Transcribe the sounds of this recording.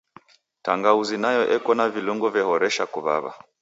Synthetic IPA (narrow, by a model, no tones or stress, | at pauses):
taŋɡauzinajɔʔɛkɔnaviluŋɡɔvjɛhɔɾɛʃakuβa̰βa̰